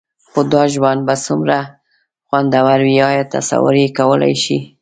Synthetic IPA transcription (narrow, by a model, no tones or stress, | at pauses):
xod̪ɑʒwand̪̚basumɾa | xwand̪awaɾwiɑjɑt̪a̰sa̰wə̰ɾekawəla̰jʃi